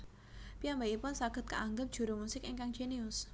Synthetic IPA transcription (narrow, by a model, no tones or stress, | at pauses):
piambaipʊnsaɡ̥ə̤t̪̚kəʔaŋɡəp̚ʒ̥ṳɾumusɪkiŋkaŋ̥d͡ʒ̥eniʊs